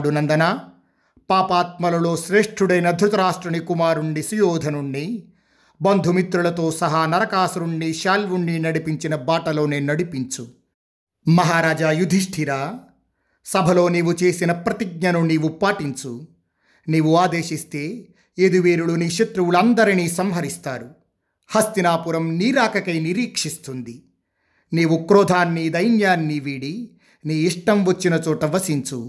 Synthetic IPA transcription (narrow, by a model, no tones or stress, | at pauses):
ɽunɐnd̪ɐnaː | paːpaːt̪̚mɐlɐlo̞ːʃɾeːʂʈʰuɽɐjnɐd̪ʱɾut̪ɐɾaːʂʈɾɐɳikumaːɾuɳːisujɔːd̪ʱɐnuɳːi | bɐnd̪ʱumit̪ɾuɭɐt̪o̞ːsɐɦaːnɐɾɐkaːsuɾuɳːiʃaːlʋuɳːinɐɽipiɲt͡ʃinɐbaːʈɐlo̞ːneːnɐɽipiɲt͡ʃu | mɐɦaːɾaːd͡ʒajud̪ʱiʂʈʰiɾaː | sɐbʱɐlo̞ːniːʋut͡ʃe̞ːsinɐpɾɐt̪iɡ̚ɲɐnuniːʋupaːʈiɲt͡ʃu | niːʋuaːd̪e̞ːʃist̪e̞ː | ed̪uʋeːɾuɭuniːʃɐt̪ɾuwulɐnd̪ɐɾiniːsɐmɦɐɾist̪aːɾu | hɐst̪inaːpuɾɐmniːɾaːkɐkɐjniɾiːkʂist̪und̪i | niːʋukɾɔːd̪ʱaːnːid̪ɐjnjaːnːiʋiɽi | niːiʂʈɐmʋɐt͡ʃːinɐt͡ʃɔːʈɐʋɐsiɲt͡ʃu